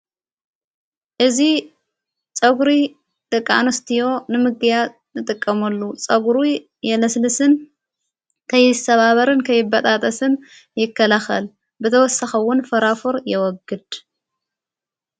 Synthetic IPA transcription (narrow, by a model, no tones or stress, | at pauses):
ʔɨzi | t͡sʼɐɡuɾi | d̪̥ɨkʼːa̰nɐst̪ʰijo̞nɨmɨɡɨja | nɨt̪ʼɨkʼːɐmɐlːut͡sʼɐɡuɾu | jɛlɐslɨsɨn | kʰɐjːɪst̪ʰɐβaβɐɾɨnkʰɐjːɪbɐt̪ʼat̪ʼɐsɨn | jɪkːɐlaxɐ̰l | bɨt̪ʰɐwɔsaxɐwʊnfɐɾafuɾjɛwɔɡɨd̪̥